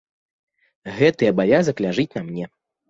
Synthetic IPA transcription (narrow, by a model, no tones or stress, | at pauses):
ɣɛt̪ɨɐbavʲazɐklʲaʐɨt͡sʲnɐmnʲɛ